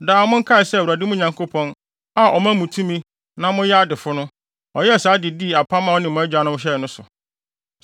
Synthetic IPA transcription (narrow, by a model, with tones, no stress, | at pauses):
daː˨mʊ̃˦ŋ̩˦kʰa˦ɪ˨sɛ˦˨a˨dɪ˦mʊ̃˦ɲã˨ŋkʰo˦pʰɔ̃˦n | a˦ʔɔ˨mã˦mũ˨tʰũ˦mĩ˦ | nã˦mʊ̃˦jɛ˦a˦dɪ˨fʊ˦nʊ̃˦ | ɔ˨jɛ˦˨saː˨˦dɪ˨di˦˨a˨pʰã˦mã˨ɔ˦nɪ̃˨mʊ̃˨˦ɛ˦d͡ʑᶣa˨nʊ̃˦m˦ɕ̬ɛ˦˨nʊ̃˦sʊ̰˨